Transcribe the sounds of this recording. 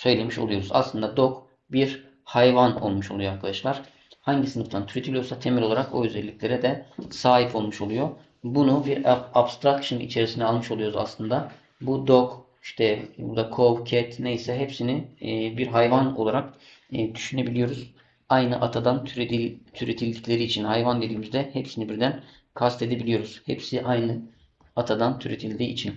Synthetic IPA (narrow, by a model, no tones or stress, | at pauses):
sø̞jlʲe̞miʃo̰lˠujo̞ɾuza̰slˠɯnd̪ad̪ok | biɾ | hajvano̞̰lˠmuʃolˠujjaklˠadaʃlˠaɾ̥ | haɲɟisɯnɯft̪ʰant̪ʰyɾe̞d̪ʰʲilʲijo̞ɾsat̪ʰe̞milʲo̞lˠaɾako̞yzɛlʲːicʲlʲe̞ɾɛd̪ɛsaːɦipʰo̞lˠmuʃolˠujo̞ | bunubiɾabst̪ʰɾakʃɯnḭt͡ʃʰe̞ɾisinɛalˠmɯʃo̞lˠujo̞ɾuza̰slˠɯnd̪a | bud̪ok | iʃt̪ʰɛbṵɾd̪akʰovcʰɛt̪nejisɛɦepsinibiɾɦajvano̞̰lˠaɾakː | d̪yʃyne̞bilʲijo̞ɾuz | ajnɯʔat̪ʰad̪anʰt̪ʰyɾet̪ʰilʲd̪icʲlʲe̞ɾiːt͡ʃʰinhajvand̪e̞d̪iːmizd̪ɛhepsinibiɾd̪æn | kʰast̪e̞d̪e̞bilʲijo̞ɾuz̥hḛpsiʔajnɯ | at̪ʰad̪ant̪ʰyɾet̪ʰilʲd̪iːit͡ʃʰin